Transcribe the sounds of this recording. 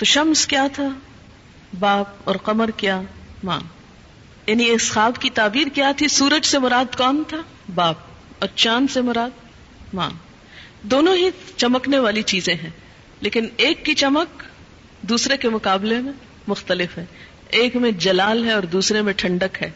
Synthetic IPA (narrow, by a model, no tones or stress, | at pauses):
t̪oʃɐmskjaːt̪ʰa | baːp̚ɔːɾqɐməɾkjaːmã̰ː | jaːnieːsxaːbkit̪aːbiːɾkjaːt̪ʰisuːɾəd͡ʒsemʊɾaːd̪kɔːnt̪ʰa | baːp̚ | ɔːɾt͡ʃaːnsemʊɾaːd̪̚ | mã̰ː | d̪oːnõɦit͡ʃɐməkneʋaːlit͡ʃiːzẽɦɛ̃ː | leːkɪneːkːit͡ʃɐmək̚ | d̪uːsɾekemʊqaːblemẽ | mʊxt̪əlɪfɦɛː | eːkmẽd͡ʒɐlaːlɦɛɔːɾd̪uːsɾemẽʈʰɐ̃ɳɖəkɦɛː